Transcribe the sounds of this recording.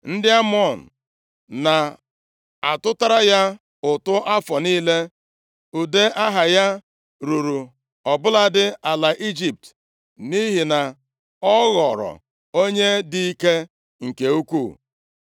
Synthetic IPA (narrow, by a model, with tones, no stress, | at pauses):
n̩˦dɪ˦a˦m˦ɔ˦˨n̩˨ | na˨ | a˨tʊ˦ta˦ɾa˦ja˦ | ʊ˨tʊ˦ʔa˦fɔ˨niː˦le˦ | u˨de˦ʔa˦ɦa˨ja˦ | ɾu˨ɾu˨ | ɔ˨bʊ˦la˦dɪ˦a˨la˨ʔi˦d͡ʒi˨p̚t | ni˦ɦi˨na˨ | ɔ˦ɣɔ˨ɾɔ̰˨ | o˦ɲe˦dɪ˦i˦ke˦ | ŋ̩˨ke˨u˦kʷu˦˨